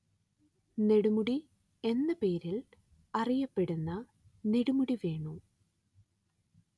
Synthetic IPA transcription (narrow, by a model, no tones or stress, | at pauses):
ne̞ɽumuɽi | e̞nːɨpe̞ːɾil | ɐrijɐpːe̞ɽunːɐ | ne̞ɽumuɽiʋe̞ːɳu